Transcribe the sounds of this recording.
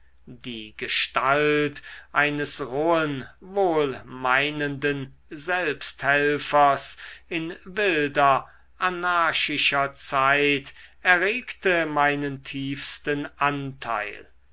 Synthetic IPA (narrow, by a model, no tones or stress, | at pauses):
diːɡəʃtaltʔaɪnəsʁoːənvoːlmaɪnəndən | zɛlpsthɛlfɐsɪnvɪldɐ | ʔanaːʃɪʃɐt͡saɪtɛɐʁeːktəmaɪnəntʰiːfstənʔantʰa̰ɪl